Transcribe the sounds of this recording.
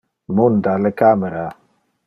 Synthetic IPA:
mund̪alekaːmeɾa

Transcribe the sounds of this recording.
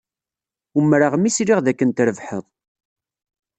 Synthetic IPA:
umːɾaʁmisɾiʁðækːənt̪ɾəvħəðˤ

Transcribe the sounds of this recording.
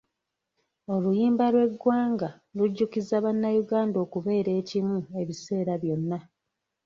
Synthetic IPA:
o̞lujiːmbalwe̞ɡwaːŋɡa | luɟːukizːaβanːajuɡaːndo̞ːkuβe̞ːɾe̞ːcimue̞βise̞ːɾaβjo̞nːa

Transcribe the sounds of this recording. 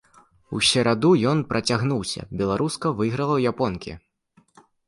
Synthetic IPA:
usʲɛɾad̪ujɔnpɾʔɐt͡sʲaɣnuwsʲɐ̰bʲɛlˠaɾʔuskɐvɨɣɾɐlˠɐwjapɔnkʲḭ

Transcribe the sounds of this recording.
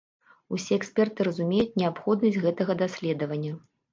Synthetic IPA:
usʲɛɛksʲpʲɛrt̪ɨɾɐzumʲejut͡sʲnʲɛapxɔd̪nɐsʲɣɛt̪ɐɣɐd̪asʲlʲɛd̪ɐvɐnʲːɐ

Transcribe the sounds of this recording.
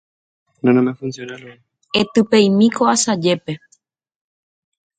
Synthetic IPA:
nanõmefunsjonalo | et̪ɨpejmĩkoasad͡ʒe̞pe̞

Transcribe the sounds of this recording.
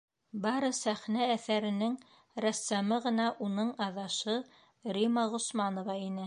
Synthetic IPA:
bɑɾɤsæχnæːθæɾɘ̆nɘŋ | ɾæsːæmɤʁɤ̆nɑʔunɤɴɑðɑʃɤ | ɾimɑʁŏsmɑnŏvɑinɘ

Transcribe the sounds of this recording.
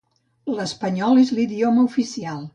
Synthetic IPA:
ləspəɲɔlezliðioməufisialˠ

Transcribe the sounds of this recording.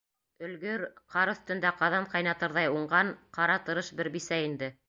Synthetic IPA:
ɵ̆lɡɵɾqɑɾɵ̆θt̪ɵ̆nd̪æqɑðɑɴqɑjnɑt̪ɤ̆ɾðɑjuɴɢɑɴqɑɾɑt̪ɤ̆ɾɤʃbɘɾbisæind̪ɘ

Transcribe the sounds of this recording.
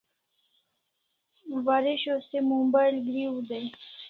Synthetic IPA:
waɾɪɕosemumbajlɡɾiwd̪e

